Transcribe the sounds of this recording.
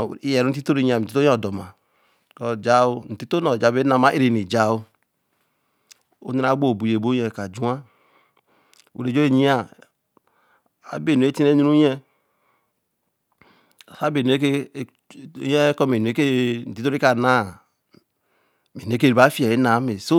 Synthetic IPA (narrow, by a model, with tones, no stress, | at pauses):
i˦jɛ˨ɾu˦n̩˦ti˦to˦ɾi˦ɲi˦a˨ti˦o˦ɔ˦˨dɔ˨ma˨ | kɔ˦d͡ʒa˦o˦n̩˨ti˦to˦nɔ˨d͡ʒa˨˦˨be˦na˨ma˨˦ʔe˦ɾe˨ni˨d͡ʒa˨u˦ | o̰˦ni˦ɾa˦ɡ͡bo˦˨bu˨je˨bo˦ɛ˨ka˨d͡ʒu˦a˦ | ṵ˨ɾe˨d͡ʒo˦e˦˨ɲi˦a˨ | a̰˨be˨n˨e˦ti˦ne˦ɲi˦ɾu˦ɛ˦˨ | sa˦be˨n˨˦e˦ke˦ | jɛ˦kɔ˦me˨n˨e˦ke˦n̩˨ti˦to˦ɾi˦ka˨na˦˨ | me˨n˨e˦ke˦˨ɾa˨˦fi˦ɛ˨e˦na˨˦me˨so˦